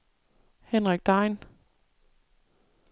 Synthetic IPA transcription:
henʁaɡ̥̚d̥ɑ̈ɪn

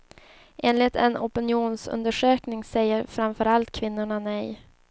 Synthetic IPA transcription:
ʔeːnlɪt̪ɛnɔpɪnɪuːnsɵ̰nd̪əʂøːknɪŋsɛjːəɾfɾamfœɾalt̪̚kʰvɪnːʊɳanɛj

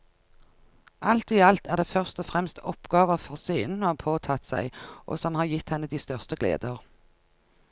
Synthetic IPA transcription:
ʔɑlt̪iːɑlt̪æːʁd̪eːfœʁst̪ɔfʁɛmst̪ɔpɡ̥ɑːʋəʁfɔʁsiːnn̩hɑpʰoːt̪ʰɑt̪sæ̰ɪʔo̰ːsɔmhɑːʁjɪt̪hɛnːəd̪iːst̪œʁst̪əɡlḛːd̪əʁ

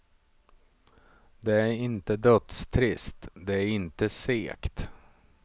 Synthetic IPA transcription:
d̪ɛæɾɪnt̪əd̪œt̪st̪ʰɾɪst̪d̪ɛæɾɪnt̪əseːkt̪

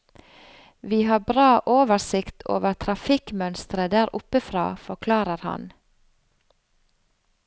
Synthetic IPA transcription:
ʋiːhɑːbɾɑːʔoːʋəsɪkt̪ʰo̰ːʋəɾt̪ʰɾɑfɪkmœnst̪ɾəd̪æːɾʊpəfɾɑ̰ːfɔkʰlɑːɾəɾhɑ̰n

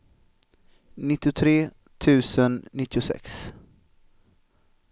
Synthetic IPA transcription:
nɪt̪ːɪʊt̪ʰɾeː | t̪ʰʉ̟ːsənnɪt̪ːɪʊsɛ̰ks

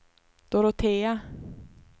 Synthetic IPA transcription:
d̪̥ɔɾot̪ʰeːa

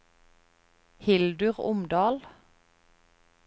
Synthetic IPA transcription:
hɪld̪ʉʁʊ̰md̪ɑːl

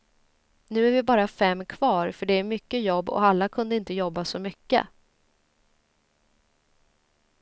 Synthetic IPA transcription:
nʉ̟ːæɾvɪbɑːɾafɛmːkʰv̥ɑːɾfœɖɛæɾmʏkːəjɔbːɔ̰alːakʰɵnd̪əɪnt̪əjɔbːasɔmʏkːə̰

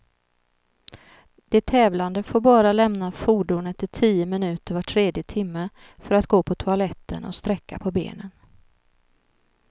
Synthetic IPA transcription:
d̪̥ɪt̪ʰːɛːvland̪əfoːɾbɑːɾalɛmnafuːɖʊnɛt̪ːəʈʰiːəmɪnʉ̟ːt̪əɾvaʈʰɾeːd̪jət̪ʰɪmːə | fœɾat̪ɡoːpʰɔt̪ʰʊalɛt̪ːə̰nʔɔ̰st̪ɾɛkːa̰pʰɔbḛːnən

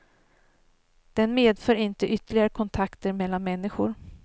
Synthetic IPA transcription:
d̪̥ɛnmeːd̪fœːɾɪnt̪əʔʏt̪əɭɪɡaɾəkʰɔnt̪ʰakt̪əɾmɛlːanmɛnːɪɧʊɾ

